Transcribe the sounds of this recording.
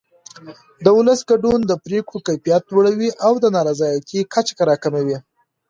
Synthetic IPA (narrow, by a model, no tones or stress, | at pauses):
d̪əʊləsɡaɖund̪əpɾekokajpijat̪loɽawiʔawd̪ənɑɾazɑjakikʰat͡ʃḁkaɾɑkamawi